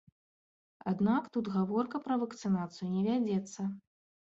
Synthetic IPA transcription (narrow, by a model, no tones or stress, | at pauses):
ad̪nakt̪ut̪ɣavɔrkɐpɾɐvɐkt̪sɨnat̪sɨjunʲɛvʲad͡zʲɛt̪sːɐ